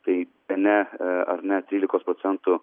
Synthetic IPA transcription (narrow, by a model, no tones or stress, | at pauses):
t̪ɐɪ | ɛnʲɛɐ̰ɾnʲɛt̪ʲɾʲiːlʲɪkoːspɾoːt̪sʲɛnt̪ʊ